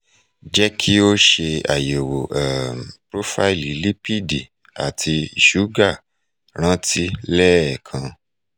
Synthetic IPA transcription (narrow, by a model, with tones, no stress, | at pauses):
d͡ʒɛ˦kʰi˦o˦ʃe˧a̰˨je˨wo˨ʔɛ˨mpɾo˦fa˦i˨li˨li˦pi˦di˨ | a̰˨tʰi˧i˨ʃu˨˦ɡa˦˨ | ɾ̃ã˦ti˦lɛ˦ɛ˨kʰã˧